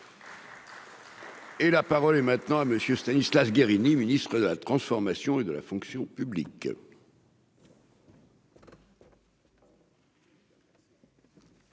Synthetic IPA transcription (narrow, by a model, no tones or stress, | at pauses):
elapaʁɔlɛmɛ̃t̪nɑ̃aməsjøst̪anislafɡeʁiniminist̪χəd̪əlat̪χɑ̃sfɔʁmasjɔ̃ed̪əla̰fɔ̃ksjɔ̃pyblḭk